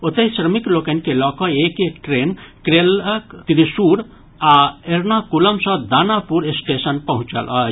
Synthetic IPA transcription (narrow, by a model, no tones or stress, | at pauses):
ot̪eisɾəmiklokənkelɔkɔekekʈɾenkɾeləkt̪iɾisuɾ | aeɾnakuləmsɔ̃d̪aːnapuɾesʈesənpəɦũt͡ʃə̰la